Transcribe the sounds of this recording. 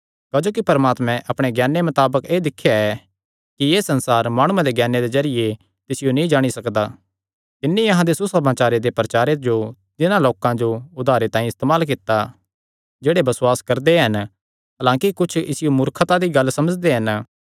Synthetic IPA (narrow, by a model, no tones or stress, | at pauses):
kad͡ʒoːkipɐɾmaːt̪mɛ̃ʔɐpɽ̃eɡjɛːnːemɐt̪aːbəkeːd̪ɪkʰːjaɛ | kijeːsɐ̃nsaːɾmaːɽ̃uẽd̪eɡɛːnːed̪ezɐɾɪje | t̪ɪsɪjonĩd͡ʒaːɽ̃isɐkd̪a | t̪ɪnːijɐɦãd̪esusɐmaːt͡ʃaːɾed̪epɾɐt͡ʃaːɾed͡ʒo | t̪ɪnãloːkãd͡ʒoʊd̪ʱaːɾet̪ãːĩɪst̪eːmaːlk̬ɪt̪ːa | d͡ʒeːɽebɐsʊwaːskɐɾd̪eɦɐn | ɦɐlãːkikʊt͡ʃʰɪsɪjomʊɾkʰət̪ad̪iɡɐlsɐməd͡ʒd̪eɦɐn